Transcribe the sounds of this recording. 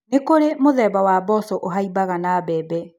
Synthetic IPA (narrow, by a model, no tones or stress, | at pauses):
nekoɾemoðɛbawabɔsɔʔoɦaibaɣanabɛːbɛ